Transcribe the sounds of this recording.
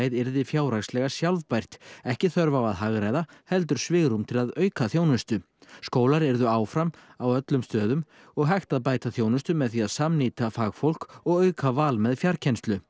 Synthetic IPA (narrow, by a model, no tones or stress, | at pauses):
jðɛɾðɪfjaːwɾaɣslɛɣasjalvpajr̥t̪ɛhcɪθœɾvawaðɦaɣɾajðahɛlt̪̬ʏɾ̥svɪːɣɾumt̪ʰɪlaðœːɥkaθjoːwnʏst̪ʏ | skoːwlaɾɛɾðʏaːwfɾamawœt̪lʏmst̪œːðʏm | ɔɣɦajxt̪aðpaːjt̪aθjoːwnʏst̪ʏmɛðθiaðsamniːt̪afaːɣfowl̥kɔɣœːɥkavaːlmɛðfjaɾ̥cʰɛnst̪lʏ